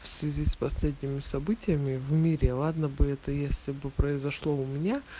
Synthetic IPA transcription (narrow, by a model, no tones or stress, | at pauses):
fsvʲɪzʲispɐsʲlʲed̪ʲnʲɪmʲɪsɐbɨtʲɪjəmʲɪvmʲiɾʲɪlˠad̪nəbɨɛt̪əjesʲlʲɪbɨpɾəɪzɐʂlˠoʊmʲɪnʲa